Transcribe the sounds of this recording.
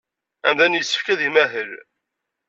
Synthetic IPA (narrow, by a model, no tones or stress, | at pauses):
æ̰mðænjəsːə̥fkæðimæɦəl